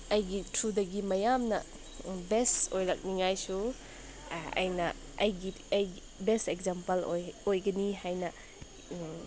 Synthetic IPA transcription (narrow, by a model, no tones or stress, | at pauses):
ɐjɡitʰɾudɐɡimɐjamnɐ̰ | bestojlɐk̚niŋajsu | ɐ̰jnɐ | ɐjɡi | ɐji | bestekzampɐloojɡɐniɦajnɐ